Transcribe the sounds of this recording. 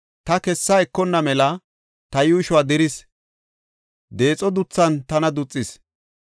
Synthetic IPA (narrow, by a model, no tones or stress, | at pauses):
t̪ɐkɛsːɐɛkːɔnːɐmɛlɐ | t̪ɐjʊɪʃʊwaːd̪ɪɾɪs | d̪e̞ːt͡sʼɔd̪ʊt͡sːɐnt̪ɐnɐd̪ʊt͡sʼːɪs